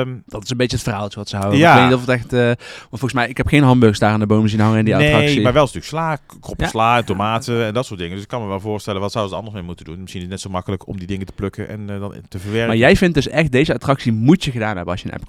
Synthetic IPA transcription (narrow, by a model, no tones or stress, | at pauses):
md̥ɑtɪ̥sənbejəətfərɦaːlˠtəʋɑtsəɦawəaejknitɔfətɛxtəʋɑntflˠɣəsmɛjɪkɦɛpxejnɦɑnbøsdaːraːndəbowməzinɦɑŋəɪndiantrɑksimaɹʋɛlstyːləkslaː | kɔpslaːɛntomaːtəɛndɑtsʊːɹtdɪŋədɵsɪ̥kːɑnməʋɛlˠvʊːɹstɛlənʋɑtsawəzətɑ̰ndəsmemutəndunmɪsxinɪɪnɛtsomɑkələkɔmdidɪŋətə̥plɵkəʔɛ̰ndɑntəvəɹʋɛɹmaːɹjɛjvɪnt̚dɵsɛxt̚dejzəatrɑksimutjəɣədaːnɦɛbənɑsjənʔɛ̰p